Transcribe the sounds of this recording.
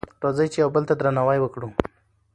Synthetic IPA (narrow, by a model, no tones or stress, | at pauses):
ɾozəjt͡ʃejawbəlt̪ad̪ɾanawajwəkɽu